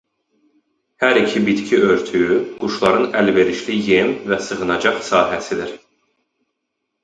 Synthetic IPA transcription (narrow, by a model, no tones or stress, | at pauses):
hæɾicʰibit̪cʰiʔø̞ɾt̪ʰyjyɡ̥uʃlˠɑɾɯnælve̞ɾiʃlijemvæsɯɣɯnɑd͡ʒɑχsɑːɦæsid̪iɾ̥